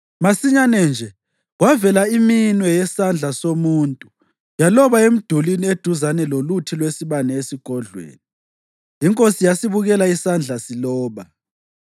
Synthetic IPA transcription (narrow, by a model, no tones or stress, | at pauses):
masiɲanɛnd͡ʒʱɛ | ɣwavɛlaiminwɛjɛsand͡ɮʱasomuːntʼu | jalɔβaem̩d̥ʱulinied̥ʱuzanɛlolutʰilwesiβanɛesiɡ̥ʱɔɮwḛːni | iŋkʼosijasiβuɣɛlaisand͡ɮʱasilɔːβa